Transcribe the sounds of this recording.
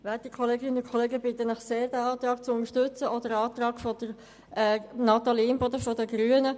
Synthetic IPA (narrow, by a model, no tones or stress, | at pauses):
ʋɛːtikʰχɔleːɡɪnəʊkʰɔleːɡəbɪt̪ːənɑχseːɾd̪æɑːt̪ɾɑːk̚t͡sʊʊnəɾʃtɵt͡səʔɔdəɾɑːt̪ɾɑːɡ̥fɔd̥̪əɾ | ɛnɑt̪ɑliːmpod̪əfɔdəɡɾyənə